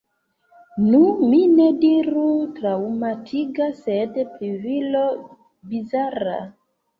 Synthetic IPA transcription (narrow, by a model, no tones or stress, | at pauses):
numinɛdiɾutɾaumatʰiɡasɛdɛplivilo | bizaɾa̰